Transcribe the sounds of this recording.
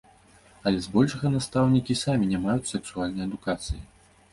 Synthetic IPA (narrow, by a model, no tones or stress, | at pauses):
ɐlʲɛzbɔlʲʂɐɣɐnast̪awnʲikʲisamʲinʲɛmajusɛksualʲnɐjɐd̪ukat̪sɨjḭ